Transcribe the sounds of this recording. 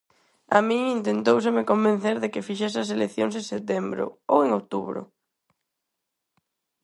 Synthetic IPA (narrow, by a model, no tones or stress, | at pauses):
amĩŋint̪ent̪ows̬emɪkombẽn̟θeɾðekɪfiʃ̬esɐs̬elekθjoŋs̬ẽŋset̪ɛmbɾʊ̰o̰weŋowt̪uβɾʊ̰